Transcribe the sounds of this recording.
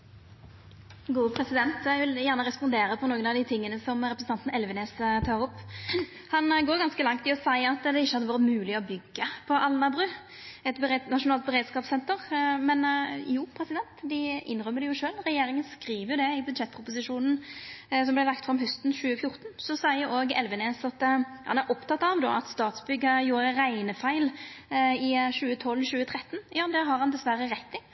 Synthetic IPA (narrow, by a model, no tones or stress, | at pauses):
ɡuːpʰɾɛsɪd̪ɛnt̪æɪʋɪljæːʁnəɾɛspɔnd̪eːɾəpʰɔnoːɡənɑʋd̪ɪt̪ʰɪŋːənəsɔmɾɛpɾəsn̩ʰɑnt̪n̩ɛlʋɛneːst̪ʰɑːʁʊpː | hɑnɡoːɾɡɑnskəlɑŋt̪ʰɪɔsæɪɑt̪ːd̪ɛɪçːəhɑd̪əʋɑːʁət̪mʉːlɪɔbʏɡːəpʰɔʔɑlnɑbʁʉ | ɛt̪bət̪nɑʂʊnɑːlt̪̚bɛɾeːd̪skɑːpsɛnt̪əʁmɛnjuːpʰɾɛsɪd̪ɛnt̪d̪ɪʔɪ̰nɾœmːəd̪ɛjʊʂøːlʁɛjeːɾɪŋənskɾiːʋəjʊd̪ɛɪbʉd̪ʃɛt̪̚ːpʰɾʊpʊs̬ɪʂuːnən̩sɔmblɛlɑkt̪fʁɾɑmɦœst̪n̩ʃʉːəfjʊɾt̪nsɔsæɪəɾʔoːɡɛ̰lʋəneːsɑt̪hɑnæɾʔɔpt̪ʰɑt̪ːɑʋd̪o̰ːɑt̪st̪ɑːt̪sbʏɡːəjuːɾəɾæɪnəfæɪl | ɪʃʉːət̪ʰɔlːɕʉːət̪ʰʁɛt̪ːnjɑːd̪ɛɦɑɾhɑnd̪ɛsʋæɾəɾɛt̪nɪŋ